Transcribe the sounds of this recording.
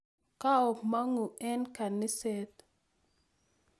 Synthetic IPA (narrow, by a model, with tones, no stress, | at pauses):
ka˦ɔ˨ma˦ŋu˨ɛ˦nka˨nɪ˦sɛ˦t̪